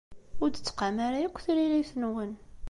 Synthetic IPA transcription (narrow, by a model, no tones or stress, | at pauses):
ʊɾd̪ət͡sːqamaɾajækʷːθɾiliθənwən